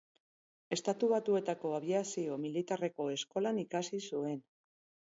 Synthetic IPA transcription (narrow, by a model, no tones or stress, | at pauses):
e̞st̪at̪uβat̪ue̞t̪ako̞aβ̞iasio̞milit̪are̞ko̞e̞sko̞lanikasisue̞n